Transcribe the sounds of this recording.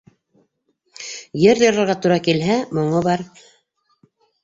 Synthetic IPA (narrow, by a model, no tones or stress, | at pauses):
jɘɾjɤ̆ɾɤ̆ɾʁɑt̪uɾɑkilɦæmŏɴɤbɑɾ